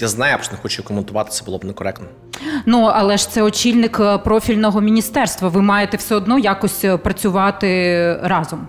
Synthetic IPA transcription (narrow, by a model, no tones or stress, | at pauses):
jaznɑjɐpʃɔnɛxɔt͡ʃʊjkɔment̪ʊʋɑt̪ɪ̥sʲɐbʊlˠɔbnɛkɔɾɛk̚t̪nɔ | nuɐlˠɛʃt̪sɛɔt͡ʃʲilʲnɪkpɾɔfʲilʲnɔɦɔmʲinʲist̪ɛrst̪ʋɐʋɪmɑjet̪ɛwsɛɔd̪nɔjakɔsʲpɾɐt͡sʲʊʋɑt̪ɪɾɑzɔm